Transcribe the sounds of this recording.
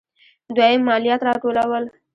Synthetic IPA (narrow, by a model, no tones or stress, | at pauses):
d̪wajəmːɑlijat̪ɾɑʈolawəl